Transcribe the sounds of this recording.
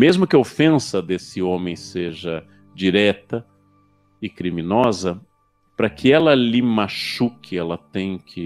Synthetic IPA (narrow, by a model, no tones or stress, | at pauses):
mezmʊkɪofẽsɐd̪esɪõmẽj̃seʒɐ | d͡ʒiɾɛt̪ɐ | ɪkɾimĩnɔzɐ | pɾɐkʰɪɛlɐlɪmaʃukʰɪɛlɐt̪ẽj̃kʰɪ